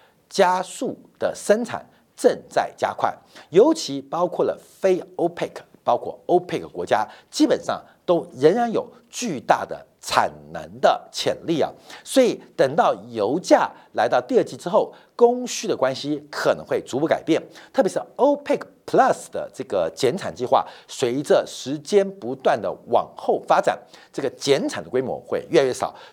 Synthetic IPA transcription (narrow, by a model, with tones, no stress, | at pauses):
t͡ɕja˥su˥˩d̪̥ə̰˩ʂə˥nt͡sʰa̰˨˩n | ʈ͡ʂə˥˧ŋt͡sa˥˩ɪt͡ɕja̰˥kʰwa̰˥˩njo˧˥ʊt͡ɕʰi˧˥pɑ˥ʊkʰwɔ˥˩lə̰˩fe˥ɪo˥ʊpʰe˥˩kʰpɑ˥ʊkʰwɔ̰˥˩o˥ʊpʰe˥˩kkwɔ̰˧˥t͡ɕja˥t͡ɕi˥pə˨˩nʂɑ̰˥˩ŋ | t̪o˥ʊɻə˧˥nɻa˧˥njo˨˩ʊ | t͡ɕy˥˧t̪a̰˥˩d̪ə̰˩ | t͡sʰa̰˨˩nnə̰˧˥nd̪ə˧t͡ɕʰjɛ̰˨˩nli˥˩ɐ̰˨˩swɔ˧˥i˨˩t̪ə˨˩ŋt̪ɑ˥˩ʊjo˧˥ʊt͡ɕja˥˩la˧˥ɪt̪ɑ˥˧ʊt̪i˥˧ə˥˧˩t͡ɕi˥˩ʈ͡ʂɻ̩˥xo˥˩ʊ | kʊ˥ŋɕy˥d̪ə˨kwa˥nɕi˥kʰə˨˩nə̰˧˥ŋxwe˥˩ɪt͡su˧˥pu˧˥ka˨˩ɪpjɛ˥˩nt̪ʰɤ˥˩jʂɻ̩˥˩o˥ʊpʰe˥˩kpʰlɐ˥˧sd̪ə̰˩ʈ͡ʂɤ˥˩ɡə˩t͡ɕjɛ˧˥nʈ͡ʂʰa˨˩nt͡ɕi˥˧xwa̰˥˩swe˧˥ɪʈ͡ʂə˨ʂɻ̩˧˥t͡ɕjɛ˥npu˧˥t̪wa˥˩nd̪ə̰˩wɑ̰˨˩ŋxo˥˩ʊfa˥ʈ͡ʂa̰˨˩nʈ͡ʂɤ˥˩ɡə˩t͡ɕjɛ˧˥nt͡sʰa˨˩nd̪ə˦kwe˥ɪmwɔ̰˧˦xwe˥˧ɪɥɛ˥˧a˧˩ɥɛ˥˩sɑ̰˨˩˦ʊ